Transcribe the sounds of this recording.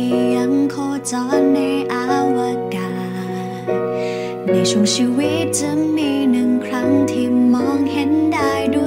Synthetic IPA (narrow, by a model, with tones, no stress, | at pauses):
ja˧˥ŋkʰoː˧t͡ɕɔː˧˥nːa˧jʔaː˧˦wa˧kaː˧˨ | na˧˩t͡ɕu˧˩əŋt͡ɕʰiː˧wi˦˥t̪̚t͡ɕɯ˧˥ŋmiː˧nɯ˨˩ŋkʰɾa˦˥ŋt̪ʰiː˧mɔː˧˥ŋhe˧˦ndaː˧˩jdu˧˩